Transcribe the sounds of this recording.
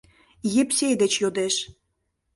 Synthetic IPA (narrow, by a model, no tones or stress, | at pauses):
jepsʲejd̪et͡ɕjod̪eʃ